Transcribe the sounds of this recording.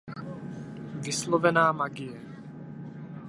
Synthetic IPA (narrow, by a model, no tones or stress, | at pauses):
vɪslovɛnaːmaɡɪjɛ